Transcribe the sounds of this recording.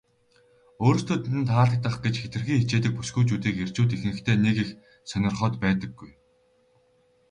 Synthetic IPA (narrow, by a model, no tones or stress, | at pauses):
oːɾ̆st̪ʰoːt̪ɘ̆nt̪ʰaːɮə̆k̚t̪ə̆χɡet͡ɕxet̪ɡɘ̆rxiːŋxet͡ɕeːt̪ɘ̆k̚pu̥sɡuːt͡ɕuːt̪iːker̥t͡ɕuːt̪̬ix̆nɘ̆kt̪ʰeːnekix | sœnʲɪ̆rχœːt̪pæːt̪ə̆ɡːuj